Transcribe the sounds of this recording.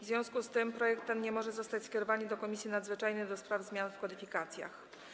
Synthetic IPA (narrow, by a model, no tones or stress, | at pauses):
vzvʲjɔ̃w̃skust̪ɘmpɾɔjɛkt̪ːɛnɲɛmɔʐɛzɔst̪at͡ɕskʲɛɾɔvaɲid̪ɔkɔmʲisʲjinad̪zvɘt͡ʂajnɘd̪ɔspɾavzmʲjanfkɔd̪ɘfʲikat̪sʲja̰x